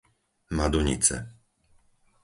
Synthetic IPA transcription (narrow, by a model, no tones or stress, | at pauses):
mad̪uɲḭt͡sɛ̰